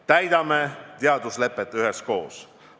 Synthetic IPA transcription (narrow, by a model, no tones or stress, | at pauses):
t̪æjd̪̥ɑmet̪eɑd̪usle̞pːˑet̪ːˑyɦesko̞̰ːs